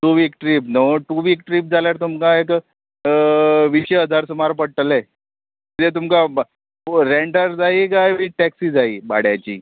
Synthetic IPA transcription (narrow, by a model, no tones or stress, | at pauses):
ʈuʋikʈɾip̚noʈuʋiːk̚ʈɾip̚d͡zaljaɾt̪umkaek | ʋiɕəəd͡zʱaɾsumaɾpəɽ̚ʈəle | it̪et̪̬umkab | ɾeɳɖəɾd͡zaikajʋiʈɛksiːd͡zaiːba̰ɽ̤jat͡ɕḭː